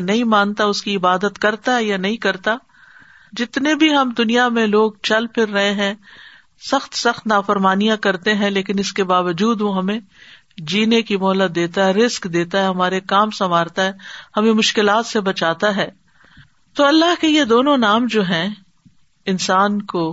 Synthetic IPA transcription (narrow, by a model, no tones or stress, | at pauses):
nɐɦĩmãːnt̪aʊskiɪbaːd̪ət̪kɐɾt̪aɦɛjanɐɦĩkɐɾt̪a | d͡ʒɪt̪nebʱiɦɐmd̪ʊnijamẽloːɡ̚t͡ʃɐlpʰɪɾːɐɦeɦɛ̃ | sɐxt̪sɐxt̪naːfɐɾmaːnijãkɐɾt̪eɦɛ̃leːkɪnɪskebaːʋəd͡ʒuːd̪ʋoɦɐmẽ | d͡ʒiːnekimɔːlət̪̚d̪eːt̪aɦɛɾɪskd̪eːt̪aɦɛɦɐmaːɾekaːmsɐmaːɾt̪aɦɛːhɐmẽmʊʃkɪlaːt̪sebɐt͡ʃaːt̪aɦɛː | t̪oːɐlːaɦkejed̪oːnõnaːmd͡ʒoːɦɛ̃ | ɪnsaːnkoː